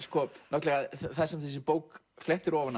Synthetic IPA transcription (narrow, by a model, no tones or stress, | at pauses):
skʰɔːpnowt̪lɛɣaðθθɛsɛmθɛs̬ɪpoːwk | flɛht̪ɪɾɔːvanːa